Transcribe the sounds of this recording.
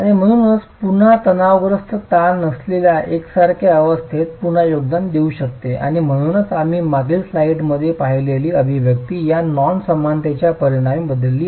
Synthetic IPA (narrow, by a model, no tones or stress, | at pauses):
aɽ̃im̤əɽ̃uːnət͡spun̤at̪ənaʋɡɾəst̪ʰət̪alnəslelaʔeksaɾkʰaəʋəst̪ʰet̪̚puɳ̤ajoɡ̚d̪and̪euɕək̚t̪eʔa̰ɽ̃im̤əɽ̃uːnət͡sam̤iːmaɡilslaiʈməd̪ʱːjepaɦileliːəbʱiʋjəkt̪iːjanɔnsəmant̪at͡ɕjapəɾiɽ̃aimbəd̪lːiː